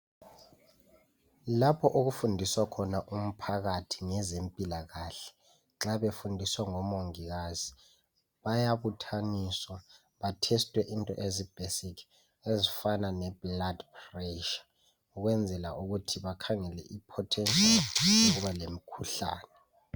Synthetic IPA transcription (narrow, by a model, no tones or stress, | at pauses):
lapʰɔʔok̬ufundʱiswakʰɔnaʔum̩pʰaɣ̬atʰiŋɛzempʼilaɣaɬɛ̥ | ǁaɓefundʱiswaŋɔmoŋiɣ̬azi | ɓajaβutʰaniːswa | ɓatʰɛstʼwɛʔintʼɔ̰ʔezib̥ʱesikʰ | ezifananɛb̥ladprɛʃḁ | uk̬wɛnd͡zʱɛla̰ʔuk̬utʰiɓakʰaŋɛlɛ̰ʔipʰɔtʰɛnt͡sʼiuɓalem̩kʰuɬa̰ːnɛ